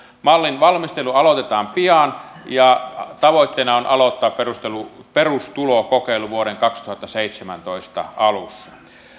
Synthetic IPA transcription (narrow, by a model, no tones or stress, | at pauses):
mɑlːinʋɑlmist̪eluɑlot̪et̪ɑːmpiɑnjɑt̪ɑʋoˑit̪ːeˑinɑonʔɑlot̪ːɑːpperust̪eluperust̪ulokokeˑilːˑuʋuoɾeŋkɑkst̪uhɑt̪ːɑseit̪semæ̰nt̪oist̪ɑ̰ɑlusːɑ̥